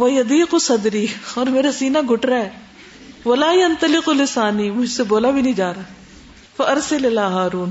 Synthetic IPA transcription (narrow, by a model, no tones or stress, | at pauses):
ʋɐjɐd̪iːqʊsɐd̪ɾiːɔːɾmeːɾasiːnaɡʱʊʈɾaɦɛː | ʋɐlaːjɐnt̪ɐlɪqʊlɪsaːnimʊd͡ʒʱseboːlabʱinɐɦĩd͡ʒaːɾa | fɐʔɐɾsɐlɪlaːɦaːɾuːn